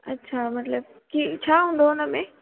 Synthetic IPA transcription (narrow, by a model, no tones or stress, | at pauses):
ɐtːɕʰamɐt̪ləb̚ | kit͡ɕʰaːɦũːnd̪oɦʊnəmẽː